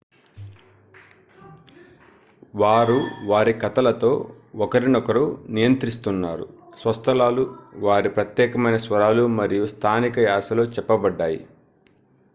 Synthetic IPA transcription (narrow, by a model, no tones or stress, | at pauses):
ʋaːɾuʋaːɾikɐt̪ɐlɐt̪o̞ː | ɔkɐɾinɔkɐɾunijɐnt̪ɾist̪unːaːɾṵsʋɐst̪ʰɐlaːluʋaːɾipɾɐt̪jɛːkɐmɐjnɐsʋɐɾaːlumɐɾijust̪ʰaːnikɐjaːsɐlo̞ːt͡ʃɛpːɐbɐɖːaːjḭ